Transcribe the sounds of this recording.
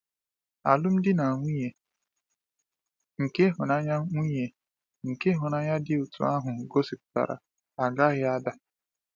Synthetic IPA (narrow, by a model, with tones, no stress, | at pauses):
a˨lʊ˦m̩˦dɪ˦na˨ŋʷi˦ɲe˨ | ŋ̩˨ke˦ɦʊ˨na˦ɲa˦ŋʷi˦ɲe˨ | ŋ̩˨ke˦ɦʊ˨na˦ɲa˦dɪ˦u˨tʰṵ˨a˦ɦʊ˨ɡo˦si˨kʊ̥˨ta̰˨ɾa̰˨ | a˨ɡa˦ɣɪ˦a˦da˦